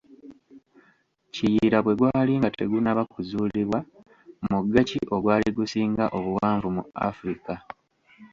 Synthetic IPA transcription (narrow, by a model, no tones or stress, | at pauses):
cijɾaβwe̞ɡwaːliŋɡate̞ɡunaβakuzuːliβwa | muɡːaciʔo̞ɡwaːliɡusiːŋɡaʔo̞βuwaːɱvumua̰fuɾika